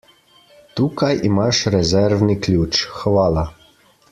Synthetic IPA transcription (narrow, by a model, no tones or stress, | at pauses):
t̪uːkajimaʃɾɛzɛɾʋniklʲuːt͡ʃxʋaːla